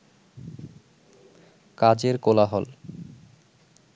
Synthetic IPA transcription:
kad͡ʑeɾkolaɦɔl

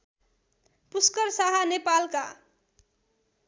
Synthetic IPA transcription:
puskʌɾsaɦanepalka

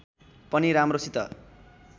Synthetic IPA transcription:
pʌniɾamrosit̪ʌ̰

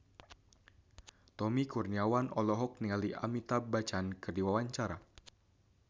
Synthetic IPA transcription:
t̪ɔmikurniawanɔlɔɦɔk̚nialiʔa̰mit̪abat͡ʃankɨrdiwawaɲt͡ʃaɾa

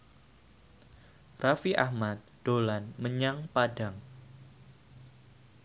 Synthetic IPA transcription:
rafiʔa̰hmat̪̚d̥olanməɲaŋpadaŋ

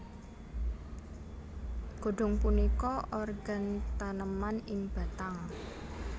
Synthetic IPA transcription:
ɡ̥o̤ɖ̥ɔ̤ŋpunikɔʔɔrɡ̥a̤nt̪anəmanɪŋb̥a̤t̪aŋ

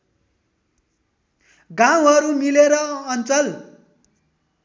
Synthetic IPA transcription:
ɡãw̃ɦʌɾumileɾʌʌnt͡sʌl

